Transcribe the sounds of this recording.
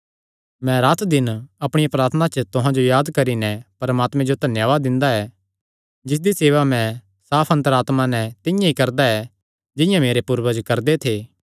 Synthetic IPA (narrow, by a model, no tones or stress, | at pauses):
mɛ̃ɾaːt̪ʰd̪ɪnɐpɽ̃ɪjapɾaːɾt̪ʰənat͡ʃət̪ʊɦãd͡ʒojaːd̪kɐɾinɛpɐɾmaːt̪mɛ̃d͡ʒot̪ɐnjaːʋaːd̪ːɪ̃nd̪aɛ | d͡ʒɪs̬d̪iseːʋamɛ̃ | saːpʰɐ̃nt̪əɾaːt̪manɛt̪ɪ̃jãikɐɾd̪aɛ | d͡ʒɪ̃jãmeːɾepuːɾʋəd͡ʒkɐɾd̪et̪ʰeː